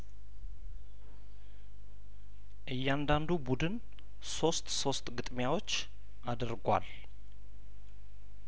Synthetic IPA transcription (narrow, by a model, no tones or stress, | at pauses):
ʔɨjːɛand̪and̪ubud̪ɨn | so̞st̪so̞st̪ʼɡɨt̪ʼmjawo̞t͡ʃː | ʔad̪əɾɡʷwa̰l